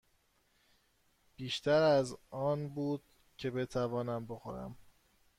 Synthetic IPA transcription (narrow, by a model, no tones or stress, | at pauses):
b̥iːʃt̪ʰæɾæzɒːnbuːd̪̥̚ | cʰe̞be̞t̪ʰævɒːnæmbo̞xo̞̰ɾæ̰m